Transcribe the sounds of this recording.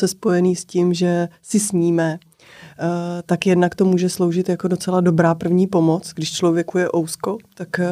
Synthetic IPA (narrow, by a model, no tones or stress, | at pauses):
sɛspo̞jɛniːscimʒɛsɪsɲiːmɛ | t̪akjɛdnakt̪o̞muːʒɛslo̞wʒɪt̪jako̞do̞t͡sɛlado̞bɾaːpr̩vɲiːpo̞mo̞t͡sɡdɪʃt͡ʃlo̞vjɛkujɛʔo̞wsko̞t̪ak